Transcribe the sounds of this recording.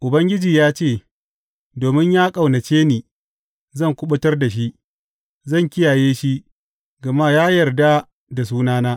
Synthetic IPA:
ʔʊ˨bɐ˦ŋɡʲɪ˦d͡ʒiː˨jaː˦t͡ʃeː˦˨ | doː˨mɪ˦ɲjaː˦kʼa˨wnɐ˨t͡ʃeː˦niː˨ | zɐ˦˨ŋkʷʊ˦ɓʊ˦tɐ˦rda˨ʃ̬i˦ʔ | zɐ˦˨ŋkʲɪ˦jaː˨jeː˦ʃi˦ | ɡɐ˨ma˦jaː˦jɐ˨rda˦ | da˨s̬uː˦naː˦naː˦

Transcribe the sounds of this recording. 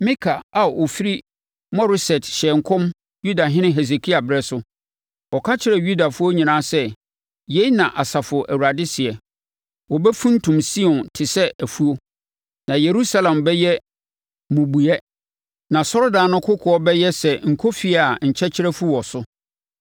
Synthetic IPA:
mĩ˦kʰa˨a˨ʔo˨fi˦ɾi˦ | mɔ˦ɾɪ˦sɛ˨tɕɛ˨ŋ̩˨kʰɔ̃˦m | ju˦da˨ɦɪ̃˦nɪ̃˦ɦɛ˨s̬e˨kʰi˦a˨bɾɛ˦sʊ˦ | ɔ˨kʰa˦t͡ɕʰɪ˦ɾɛ˨ju˦da˨fʊ˦o˦ɲĩ˨nãː˦sɛ˦ | je˨˦i˦nã˨ʔa˨sa˨fʊ˨ʔæ˨wu˨ɾa˨dɪ˦sɪ˨ɛ˨ | wɔ˨bɛ˦fũ˦n̩˦tʰũ˨msi˦ɔ̃˨ntʰɪ˨sɛ˦æ˨fu˦o˦ | nã˨je˨ɾu˦sa˦lã˨mbɛ˦jɛ˦ | mũ˨bu˨ɛ˦ | nã˨sɔ˦ɾɔ˦daː˨˦nʊ̃˦kʰʊ˦kʰʊ˨ɔ˦bɛ˦jɛ˦sɛ˨ŋ̩˨kʰo˦fi˦a˨ɲ̩˨t͡ɕʰɛ˦t͡ɕʰɪ˦ɾɛ˦fu˦wɔ˨sʊ˦

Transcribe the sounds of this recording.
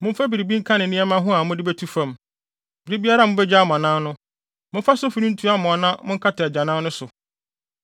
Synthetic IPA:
mʊ̃˦m̩˦fa˦bi˨ɾi˨bi˦ŋ̩˦kʰã˦nɪ̃˨nɪ̃˦ɛ˦mã˦ɦʊ̃˦a˨mʊ̃˦dɪ˦bɛ˦tʰu˦fã˨m | b̥ɪ˨ɾi˦bi˦a˦ɾa˦˨mʊ̃˦bɛ˦d͡ʑa˦˨m˨ã˨nãː˦nʊ̃˦ | mʊ̃˦fa˦sʊ˦fi˦nĩ˦n̩˦tʰu˦a˦mʊ̃˨a˨nã˦mʊ̃˦ŋ̩˦kʰa˦tʰɪ˨d͡ʑã˨nãː˦nʊ̃˦sʊ˨

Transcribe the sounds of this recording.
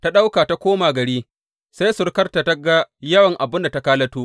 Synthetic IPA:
ta˦ɗa˦wkaː˨ta˦kʷoː˦maː˨ɡɐ˨ɽiː˦ | sa˦jsʊ˨˦ɽkɐ˦rta˨ta˦ɡa˦jɐ˦wɐ˨ŋʔa˨bɪ˦nda˨ta˦kaː˦lɐ˦tuː˦

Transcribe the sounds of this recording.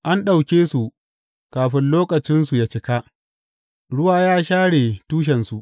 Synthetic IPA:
ʔa˦nɗa˨wkʲeː˦su˨ | kaː˨ɸɪ˦nloː˦kɐ˨t͡ʃɪ˦nsu˨jaː˦t͡ʃɪ˦ka˦ʔ | ɽʊ˦waː˦˨jaː˦ʃaː˦ɽeː˨tuː˦ʃ̬ɛ˨nsu˨ʔ

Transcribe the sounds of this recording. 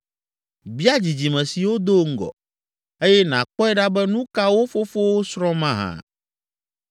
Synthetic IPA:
bi˦a˦d͡ʑi˨d͡ʑi˨mɛ̃˨si˨wo˦d̪o˦ŋ̩˦ɡɔ̰˨ | e˦jɛ˦nã˨k͡pɔ˦ɛ˦ɖa˦bɛ˦nũ˦ka˦wo˦fo˦fo˦wo˦sɾɔ̃˦mã˦ɦã̰˨

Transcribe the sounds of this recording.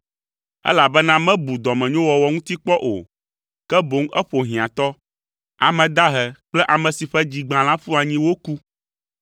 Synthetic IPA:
ɛ̰˦la˨bɛ˦nã˦mɛ̃˦bu˨d̪ɔ˨mɛ̃˨ɲõ˦wɔ˨wɔ˨ŋũ˦t̪i˦k͡pɔ˦ʔo̰˨ | kɛ˦bo˨˦ŋ˦ʔɛ˦ɸo˨ɦĩ˨ã˨t̪ɔ˦ | a˨mɛ̃˨d̪a˦ɦɛ˨k͡plɛ˦ʔa˨mɛ̃˨si˨ɸɛ˦d͡ʑi˨ɡ͡bã˨l̃ã˦fu˦a˨ɲĩ˦wo˦ku˦

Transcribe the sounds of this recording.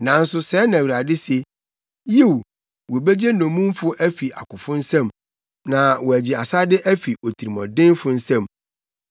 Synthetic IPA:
nã˨n̩˦sʊ˦sɛː˨˦nã˨wɾa˨dɪ˦se˨ | ji˦˨w | wɔ˨be˦d͡ʑe˦nɔ̃˨mũ˦m˦fʊ˦ʔæ˦fi˨ʔa˨kʊ˨fʊ̃˦n̩˦sɛ̃˦m | nã˨wɔ˨æ˨d͡ʑɪ˨a˨sa˦dɪ˦ʔæ˦fi˨o˨tʰi˨ɾi˨mɔ̰̃˨dɪ̃˦n˦fʊ˨˦n̩˦sɛ̃˦˨m

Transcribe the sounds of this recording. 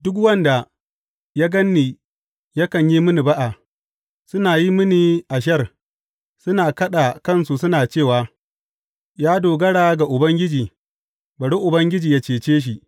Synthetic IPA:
dʊ˦k̬wɐ˦nda˨ | ja˦ɡɐ˦nːiː˨ | ja˦kɐ˨ɲji˦mɪ˦ni˨ba˦ʔa˨ | sʊ˦naː˨ji˦mɪ˦ni˨ʔa˨ʃ̬ɐ˦r | sʊ˦naː˨kɐ˦ɗa˨kɐ˦˨nsu˨sʊ˦naː˨t͡ʃeː˦˨waː˨ | jaː˦doː˨ɡɐ˦ɽaː˨ɡa˨ʔʊ˨bɐ˦ŋɡʲɪ˦d͡ʒiː˨ | ba˨ɽi˦ʔʊ˨bɐ˦ŋɡʲɪ˦d͡ʒiː˨ja˦t͡ʃeː˨t͡ʃeː˦ʃ̬i˨

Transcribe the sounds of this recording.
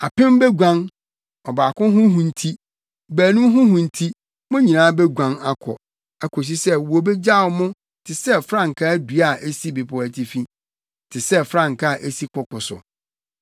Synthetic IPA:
a˨pɪ̃˦m˦bɛ˦ɡʷã˦n | ɔ˨baː˨kʊ̃˦ɦʊ̃˦ɦũ˨n̩˨tʰi˦ | bæː˨nũ˦m˦ɦʊ̃˦ɦũ˨n̩˨tʰi˦ | mʊ̃˦ɲĩ˨nãː˦bɛ˦ɡʷã˦ŋa˦kʰɔ̰˨ | æ˨kʰo˨s̬i˦sɛ˦wo˨bɛ˦d͡ʑa˦˨ʊ˨mʊ̃˦ | tʰɪ˨sɛ˦fɾã˦˨ŋ̩˨kʰa˦du˨a˨ʔe˦si˦bɪ˨pʰʊ˨æ˨tʰi˨fĩ˦ | tʰɪ˨sɛ˦fɾã˦˨ŋ̩˨kʰa˦˨ʔe˦si˦kʰʊ˨kʰʊ˨sʊ̰˨

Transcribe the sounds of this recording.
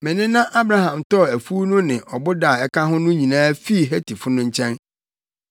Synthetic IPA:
mɪ̃˨nɪ̃˦nã˦ʔa˦bɾa˦ɦã˨mtɔ˦˨æ˨fu˦nʊ̃˦nɪ̃˨ʔɔ˨bʊ˦da˦˨ɛ˦kʰa˦ɦʊ̃˦nʊ̃˦ɲĩ˨nãː˦fi˦˨ɦæ˦tʰi˨fʊ˦nʊ̃˦ɲ̩˦t͡ɕʰɛ̃˦n

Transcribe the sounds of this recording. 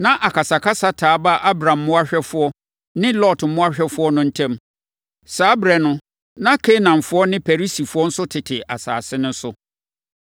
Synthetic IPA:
nã˦ʔa˨kʰa˨sa˨kʰa˦sa˦tʰaː˨˦ba˦ʔa˦bɾã˨mː˦ʊ̃˦a˦ɕᶣɛ˦fʊ˦ɔ˦ | nɪ̃˦lɔ˦˨tm̩˦mʊ̃˦a˦ɕᶣɛ˦fʊ˦ɔ˦nʊ̃˦n̩˦tʰɛ̃˦m | saː˦bɾɛ˨nʊ̃˦ | nã˦kʰe˦nã˨mfʊ˦ɔ˦nɪ̃˦pʰɛ˨ɾi˦si˨fʊ˦ɔ˦n̩˦sʊ˦tʰɪ˨tʰɪ˨a̰˨sa̰ː˨sɪ˦nʊ̃˦n̩˦sʊ˦

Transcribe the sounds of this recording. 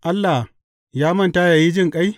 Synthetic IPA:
ʔa˦lːa˨h | jaː˦mɐ˦nta˦jaː˨ji˦d͡ʒɪ˦˨ŋkʼa˦j

